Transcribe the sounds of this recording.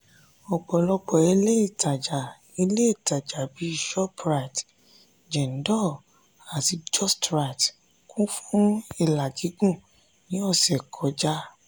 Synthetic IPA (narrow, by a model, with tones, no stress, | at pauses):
ɔ˨ɡ͡bɔ˨lɔ˧k͡pɔ˨e˧le˦i˦˨ta˨d͡ʒa˨ | e˧le˦i˦˨ta˨d͡ʒa˨bi˨˦˨ʃɔ˦pɾa˨t | d͡ʒɛ˨n̩˨˦dɔ˦˨ | a˨ti˧d͡ʒɔ˦˨stɾa˧˨t | kũ˦fũ˦i˦˨la˨d͡ʒi˨˦ɡũ˦˨ | nĩ˨˦ɔ˦˨sɛ˨kʰɔ˨˦d͡ʒa˦